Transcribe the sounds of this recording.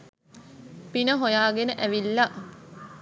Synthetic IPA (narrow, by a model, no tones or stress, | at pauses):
pinəɦojaːɡenəʔæʋilːa